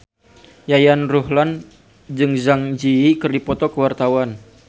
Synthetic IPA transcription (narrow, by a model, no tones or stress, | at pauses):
jajanruhlan | d͡ʒɨŋzaŋd͡ʒiikɨrdipɔt̪ɔkəwart̪awan